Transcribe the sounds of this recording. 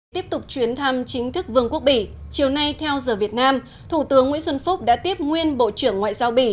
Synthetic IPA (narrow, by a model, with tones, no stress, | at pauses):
t̪i˦˥əp̚t̪ʊ˨˩k͡p̚t͡ɕwi˨˦ənt̪ʰa˧mt͡ɕï˨˦ŋ̟t̪ʰɨ˦˥k̚vɨ˨˧˩əŋku˦˥ək̚ɓḭ˧˨t͡ɕi˨˩əwna˧jt̪ʰɛ˧wzəː˨˩vi˨˩ət̚naː˧m | t̪ʰu˧˩t̪ɨ˨˦əŋːw̰nswə˧nfʊ˦˥k͡p̚ɗa̰ː˧˥t̪i˦˥əp̚ŋwi˧ənɓo̰˧˨t͡ɕɨ˧˩əŋːwa̰ː˧˨jzaː˧wɓḭ˧˩